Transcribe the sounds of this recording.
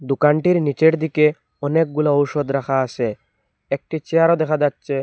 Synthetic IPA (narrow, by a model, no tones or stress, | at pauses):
d̪ukaɳʈiɾnit͡ʃeɽd̪ike | ɔnek̚ɡulaɔwsɔd̪ɾakʰaːse | ek̚ʈit͡ʃeaɾɔd̪ɛkʰad̪atːʃe